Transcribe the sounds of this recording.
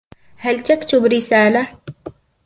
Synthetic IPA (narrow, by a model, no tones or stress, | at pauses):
halt̪akt̪ʊbɾɪsaːla